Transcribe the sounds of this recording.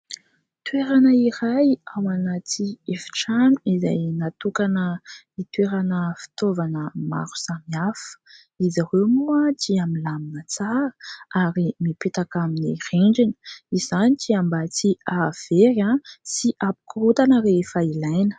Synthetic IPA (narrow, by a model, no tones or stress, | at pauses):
t̪weɾanəiɾajawanat̪iefi̥ʈ͡ʂanuizajnat̪ukanə | it̪weɾanəfi̥t̪ovanəma̰ɾu̥samiafə̥ | izaɾewmuat̪iamilaminət͡saɾəaɾimipet̪akaminireɳd͡ʒinə̥iz̥anitiambat͡siav̥eɾãsiʔapu̥kuɾut̪anəɾeefailajnə̥